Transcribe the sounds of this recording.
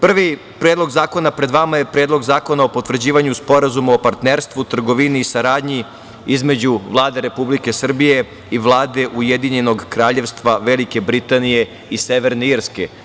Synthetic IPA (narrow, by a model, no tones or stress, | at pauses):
pr̩ʋi | pɾeːd̪lo̞ɡzaːko̞napɾe̞d̪ʋamaje̞pɾeːd̪lo̞ɡzaːko̞naopo̞t̪ʋr̩d͡ʑiːʋaɲuspo̞ɾazumaopaɾt̪neːɾst̪ʋut̪r̩ɡo̞ʋiniːsaɾaːd̪ɲi | izmed͡ʑuʋlˠaːd̪eɾe̞publike̞sr̩bije̞ | iʋlˠaːd̪e̞ʔujed̪iɲe̞no̞ɡkɾaːʎe̞ʋst̪ʋaʋe̞like̞bɾit̪anije̞ | iseʋe̞ɾneiɾske̞